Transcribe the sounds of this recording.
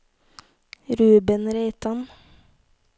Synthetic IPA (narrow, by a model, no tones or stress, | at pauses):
ɾʉːbənɾeɪt̪ɑn